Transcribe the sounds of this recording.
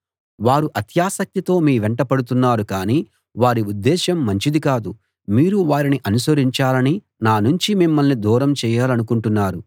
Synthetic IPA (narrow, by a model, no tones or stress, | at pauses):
ʋaːɾuʔɐt̪jaːsɐk̚t̪it̪o̞ːmiːʋɛɳʈɐpɐɽut̪̬unːaːɾukaːniː | ʋaːɾiud̪ːɛːʃɐmːɐɲt͡ʃid̪ikaːd̪u | miːɾuʋaːɾiniʔɐnusɐɾiɲt͡ʃaːlɐni | naːnuɲt͡ʃimimːɐlnid̪uːɾɐmt͡ʃɛːjaːlɐnukuɳʈunːaːɾu